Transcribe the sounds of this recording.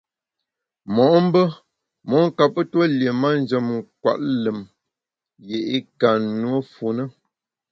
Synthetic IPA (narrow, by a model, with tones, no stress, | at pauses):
mɔ˨ʔm̩˦bə˦ | mɔ˨˦ŋ̩˦ka˨pə˦twə˦ljə˨ma˦n˦d͡ʒə˨mŋ̩˨k̚wa̰˨ʔlə˨m | je˨ʔi˦ka˨nwə˦fu˨nə˦